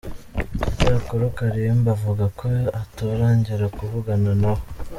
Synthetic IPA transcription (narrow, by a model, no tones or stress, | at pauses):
taakoɾokaɾiembavuɡakʰoatoɾaːɲɟiɾakuvuɡananaho